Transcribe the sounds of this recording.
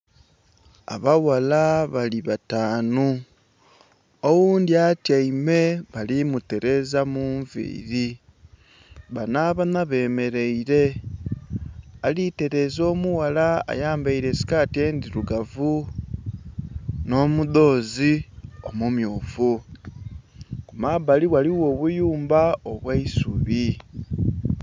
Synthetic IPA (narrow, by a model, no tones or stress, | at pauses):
a̰βawalaβaliβataːnu | owuːndiatjaime̞βalimute̞ɾe̞zamuːɱvḭːɾi | βanaːβanaβe̞ːme̞ɾe̞iɾe̞ | alite̞ɾe̞ːzo̞ːmuwalaa̰jaːmbaiɾe̞si̥kaːtie̞ːndiɾuɡavu | no̞ːmuðo̞ːzio̞mumjoːfu | kumaβaliwaliwo̞ːβujuːmbaoβwaisṵβi